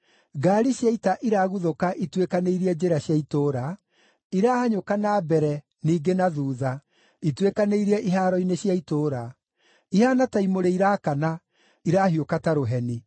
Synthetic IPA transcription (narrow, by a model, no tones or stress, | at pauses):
ɡaːɾiɕjaitaʔiɾaɣuðokaʔitwekaneiɾiɛd͡ʑeɾaɕjaitoːɾa | iɾahaɲokanabɛɾɛ | niːɡenaðuːða | itwekaneiɾɛʔiɦaɾɔineɕjaitoːɾa | ihanataimoɾeiɾaːkana | iɾaːɦiokataɾoɦɛni